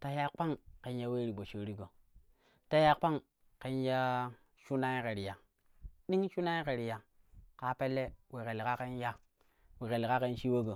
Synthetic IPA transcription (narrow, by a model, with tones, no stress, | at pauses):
ta˦ja˦k͡pa˦ŋke˨n˦ja˦we˦ɾi˨bo˨t͡ʃo˨ɾi˦ɡo˨ | ta˦ja˦k͡pa˦ŋ | ke˦n˦ja˦ | ʃu˦na˦i˦ke˨ɾi˨ja˨ | ɗi˦ŋʃu˦na˦i˦ke˨ɾi˨ja˨ | ka˨pe˦lːe˦we˨ke˨lka˦ke˦n˦ja˦ | wi˨ke˨lka˦ke˦n˦ʃi˦we˦ɡo˨